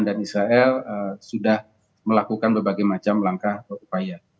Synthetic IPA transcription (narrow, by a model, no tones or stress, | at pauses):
ndanisɾaʔɛləsudah | məlakukanbərbaɡajmat͡ʃamlaŋkahəupaja